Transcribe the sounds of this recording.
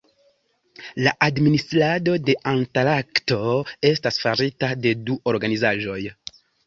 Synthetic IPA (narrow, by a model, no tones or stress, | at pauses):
laʔadministɾado̞de̞ʔantalakto̞e̞stasfaɾitade̞duʔo̞ɾɡanizaʒo̞j